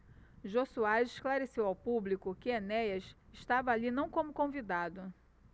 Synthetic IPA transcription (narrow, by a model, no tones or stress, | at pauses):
ʒosuazɪʃklaɾesewawpublikʊkɪenɛjɐsɪʃt̪avɐːlinɐ̃w̃kõmʊkõvid̪ad̪ʊ